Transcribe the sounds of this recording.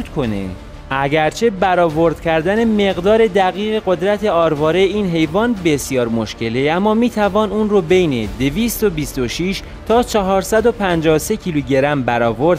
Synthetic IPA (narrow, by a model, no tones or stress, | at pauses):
kʰonḛ | ʔæɟæɾt͡ʃʰe̞bæɾɒːvo̞ɾd̪̥cʰæɾd̪æne̞me̞ɣd̪ɒːɾe̞d̪æɣiːɣe̞ɢo̞d̪ɾæt̪ʰe̞ɒːɾvɒːɾejiːnɦe̞jvɒːnbe̞sijɒːɾmo̞ʃcʰe̞leæmːɒːmiːt̪ʰævɒːnuːnɾobe̞jne̞d̪eviːst̪o̞bist̪o̞ʃiːʃ | t̪ʰɒːt͡ʃʰɒɦɒːɾsæd̪o̞pʰænd͡ʒɒːse̞cʰiːluɟe̞ɾæmbæɾɒːvo̞ɾd̪